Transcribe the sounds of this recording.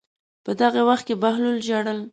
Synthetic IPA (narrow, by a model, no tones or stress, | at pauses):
pəd̪aɣewaxt̪̚kebahluld͡ʒaɽəl